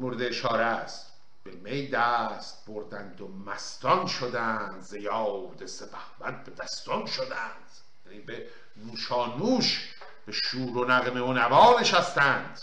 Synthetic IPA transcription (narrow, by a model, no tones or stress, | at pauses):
moɾed̪eːʃɒːɾeæst̪ | b̥emejd̪æst̪̚boɾd̪ænd̪omæst̪ɒnʃod̪ænd̪zejɒːd̪esebʰæhmæt̪̚bed̪æst̪ɔnʃod̪ænd̪̥ | jæniːbe | nuːʃɒːnuːʃ | b̥eʃuːɾonæɣemeonævɒːneʃæst̪ænd̪̥